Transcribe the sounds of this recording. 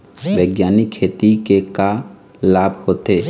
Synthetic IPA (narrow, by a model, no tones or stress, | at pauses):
ʋeːɡjaːnikʰeːt̪ikeka | laːbʱhoːt̪eː